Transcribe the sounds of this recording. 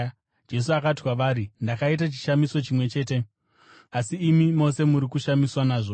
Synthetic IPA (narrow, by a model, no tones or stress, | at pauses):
d͡ʒe̞s̬uakatikwaʋaːɾindakait̬at͡ʃi̥ʃamiso̞t͡ʃimwe̞t͡ʃe̞ːte̞ | asiːmimo̞se̞muɾikuʃamiswanaːʐo